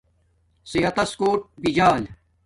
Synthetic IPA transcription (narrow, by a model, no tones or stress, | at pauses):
siɦɐt̪ɐskoːʈ̚bid͡ʑaːl